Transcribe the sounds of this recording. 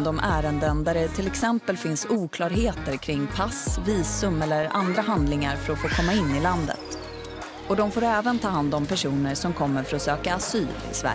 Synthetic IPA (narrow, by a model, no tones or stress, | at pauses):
d̪ɔmʔæːɾənd̪ənd̪æɖɛt̪ʰɪlɛksɛmpəlfɪnsuːkʰlɑːɾɦeːt̪əɾkʰɾɪŋːpʰasviːsɵmɛlːəɾa̰nd̪ɾaɦand̪lɪŋaɾfœɾɔfoːkʰɔmːaɪnːɪland̪ə̰t̪ | ɔd̪ɔmfoːɾɛːvənt̪ʰɑːɦand̪ɔmpʰæʂuːnəɾʂɔmkʰɔmːəɾfœɾɔsøːkaːsyːlɪ̰svæ̰